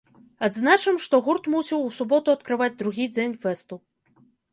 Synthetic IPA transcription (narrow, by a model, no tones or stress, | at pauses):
ad̪znat͡ʂɨmʂt̪ɔɣurt̪musʲiwusubɔt̪uɐt̪kɾɨvad͡zʲd̪ɾuɣʲid͡zʲenʲfɛst̪u